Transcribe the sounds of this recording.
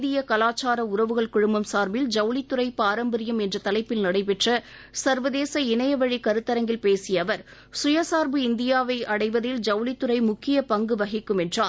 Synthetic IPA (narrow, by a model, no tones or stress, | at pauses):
d̪ɪjɐkɐlaːt͡ʃːaːɾɐʊɾɐʋɯɣɐɭkʊɻʊmbɐmsaːɾbɪld͡ʒɐʊlɪt̪ːɯɾɐɪpaːɾɐmbɐɾɪjɐmɛndrɐt̪ɐlɐɪpːɪlnɐɽɐɪpɛʈrɐ | sɐɾʋɐðeːsɐɪnɐjɐʋɐɻikɐɾɯt̪ːɐɾɐŋɡɪlpeːsɪjɐʋɐɾ | sʊjɐsaːɾbɯɪnd̪ɪjaːʋɐɪʔɐɽɐɪʋɐðɪld͡ʒɐʊlɪt̪ːɯɾɐɪmʊkːɪjɐpɐŋɡɯʋɐɣɪkːɯmɛndraː